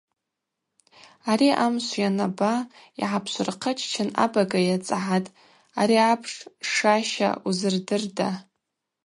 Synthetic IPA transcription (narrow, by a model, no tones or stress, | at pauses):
aɾiʔamɕʷjanaba | ḭʕapʰʃʷʊrqʰət͡ʃʼʰt͡ʃʰɪna̰baɡajat͡sʼʕatʼ | aɾiapʰʂʂaʃa̰uzɨrdɨrda